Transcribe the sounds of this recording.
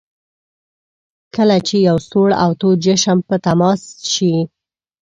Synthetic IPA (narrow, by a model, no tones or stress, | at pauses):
kəlat͡ʃejawsoɽa̰wt̪od͡ʒəʃəmpət̪amɑsʃi